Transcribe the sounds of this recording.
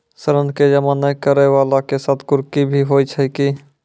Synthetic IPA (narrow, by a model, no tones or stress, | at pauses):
səɾənked͡ʒəmanəjkəɾɛʋalakesaːt̪ʰkʊɾkibʱiɦojt͡ʃʰəki